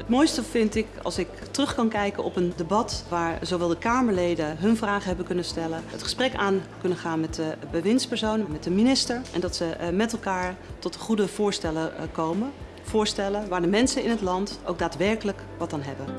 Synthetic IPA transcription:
ətmojstəvɪntɪkɑ̰lˠsɪk | trɵχkɑnkɛjkənʔɔ̰pəndebɑtʋaːɹzowʋɛlˠdəkaːməɹlejdənɦɵnvraːχəɦɛbəkɵnəstɛlənətχə̥sprɛkaːnkɵnəχaːnmɛtdəbəʋɪnspɛɹsownənmɛt̚dəminɪstəɹʔɛ̰ndɑtsəmɛtɛlˠkaːɹtɔtəχudəv̥ʊːɹstɛləkowmə | v̥ʊːɹstɛləʋaːɹdəmɛnsənɪnɦətlɑntʔo̰wɡ̚daːtʋɛɹkələk | ʋɑtanɦɛbən

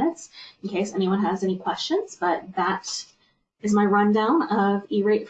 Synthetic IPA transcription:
ɨtsɨ̃n̩kʰeɪsɛñiwʌ̃nɨzɛnikʰw̥ɛst͡ʃɨ̃nz̥b̥ʌt̪̚ðəɾ | ɨzmaɪɹʌ̃ndãʊ̃nʌviɹeɪtf

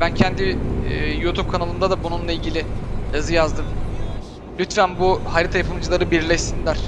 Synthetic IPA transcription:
bæncʰɛnd̪ijut̪ʰup̚kʰanalˠɯnd̪ad̪abununlˠailʲɟilʲɪjazɯjazd̪ɯm | lʲyt̪fænbuhaɾit̪ʰajapʰɯlˠd͡ʒɯlˠaɾɯbiɾlʲɛʃsinlʲæɾ̥

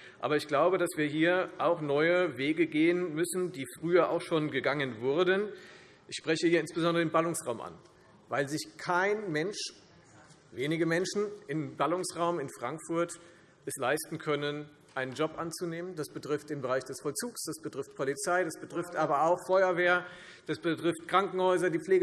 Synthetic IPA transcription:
ʔa̰ːbɐɪçɡ̥laʊbədasv̥iːɐɦiːɐʔaʊxnɔʏəveːɡəɡeːənmʏsn̩diːfʁ̥yːɐʔa̰ʊxʃoːnɡəɡaŋənvʊʁdən | ʔɪçʃpʁ̥ɛçəhiːɐɪnsb̥əzɔndʁəɪmbalʊŋsʁaʊmʔa̰n | vaɪlzɪçkʰaɪnmɛnʃ | veːnɪɡəmɛnʃn̩ʔɪmbalʊŋsʁaʊmɪnfʁ̥aŋkfʊɐt | ʔɛslaɪstn̩kʰœnən | ʔaɪnənd͡ʒɔpʔant͡suneːməndasb̥ətʁ̥ɪft̚ɪːnbəʁaɪçd̥ɛsfɔlt͡suːksd̥asb̥ətʁ̥ɪft̚pʰɔlit͡saɪdasb̥ətʁ̥ɪftʔaːbɐaʊxfɔʏɐveːɐ | d̥asb̥ətʁ̥ɪftkʁ̥aŋkŋ̩hɔʏzɐdiːp͡fleːɡə

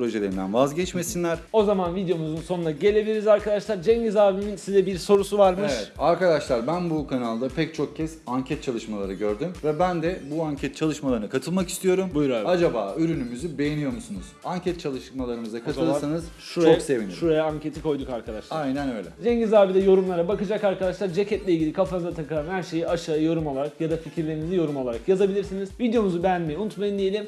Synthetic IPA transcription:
pɾo̞ʒelʲe̞ɾind̪ænvazɟɛt͡ʃme̞sinlʲæɾ̥o̞zamanvid̪ejo̞muzunso̞nunaɟe̞lʲe̞bilʲiɾizaɾkad̪aʃlˠaɾd͡ʒɛɲɟizaːviminsizɛbiɾso̞ɾusuvaɾmɯeʃvɛaɾkad̪aʃlˠaɾbænbukʰanalˠd̪apʰɛc̚t͡ʃʰo̞k̚cʰɛsaɲcʰɛt̪̚t͡ʃʰalˠɯʃmalˠaɾɯɟø̞ɾd̪ymvɛbænd̪ɛbuaɲcʰɛt̪̚t͡ʃʰalˠɯʃmalˠaɾnakʰat̪ʰɯlˠmaki̥st̪ʰijo̞ɾumbujɾaad͡ʒabaːyɾynymyzybe̞jenijomusunuz̥aɲcʰɛt̪̚t͡ʃʰalˠɯʃmalˠaɾɯmɯzakʰat̪ɯlˠɯɾsanɯzʃuɾoaksse̞vinʃuɾajaaɲcʰe̞t̪ʰikʰo̞jd̪ukaɾkʰad̪a̰ʃlˠajnɛnø̞jlʲɛ̰d͡ʒ̪eɲɟizaːvid̪ʲɛjo̞ɾumlˠaɾabakɯd͡ʒakaɾkad̪aʃlˠaɾd͡ʒe̞cʰɛt̪lʲeilʲɟilʲikʰafanɯzat̪ʰakɯlˠanhæɾʃe̞jiaʃaːjo̞ɾumo̞lˠaɾakjad̪aficʰiɾlʲeinizijo̞ɾumo̞lˠaɾakjazabilʲiɾsiniz̥vid̪jo̞nuzubejænmejiunut̪majɯnd̪ije̞lʲim

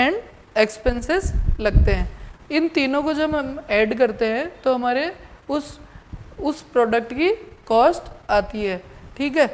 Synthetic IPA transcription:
ɛ̃ːɳɖ | ekspẽnsɪzlɐɡ̚t̪eɦɛ̃ːɪnt̪iːnõkod͡ʒɐbɐmɛːɖk̬ɐɾt̪eɦɛ̃t̪oɦɐmaːɾeʊs | ʊspɾɔːɖək̚ʈkikɔːsʈaːt̪iɦɛːʈʰiːkɦɛː

